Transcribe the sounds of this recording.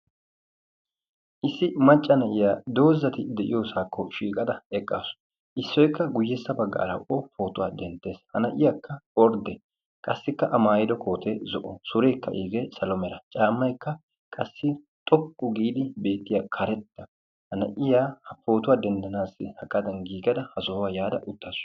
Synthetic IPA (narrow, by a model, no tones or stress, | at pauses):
ʔɪsːɪmɐt͡ʃʼːɐnɐʔɪjaːd̪o̞ːzːɐt̪ɪd̪ɛʔɪjoːsaːkʰːɔʃiːkʼɐd̪ɐɛkʼːaːsʊ̥ | ʔɪsːɔjkːɐɡʊjːɛsːɐbɐɡːa̰ːlɐ̰wʔɔfo̞ːt̪ʊwaːd̪ɛnt̪ːe̞ːshɐnɐʔɪjaːkʰːɐɔɾd̪ɛ | kʼɐsːɪkːɐʔɐmaːjɪd̪ɔkʰo̞ːt̪ɛzɔʔɔsʊɾeːkːɐ̰ʔiːɡesɐlɔmɛɾɐt͡ʃʼaːmːɐjkːɐ | kʼɐsːɪ | t̪ʼɔkʼːʊɡiːd̪ɪbe̞ːt̪ːɪjakʰɐɾɛt̪ːɐ | hɐnɐ̰ʔɪjaːhɐfo̞ːt̪ʊwaːd̪ɛnd̪ɐnaːsɪhɐkʼːɐd̪ɐnɡiːɡɐd̪ɐhɐsoːwaːjaːd̪ɐʔʊt̪ːaːs